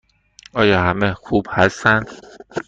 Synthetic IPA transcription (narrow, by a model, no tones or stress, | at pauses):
ɒːjɒːhæmexuːb̥hæst̪ænd̪̥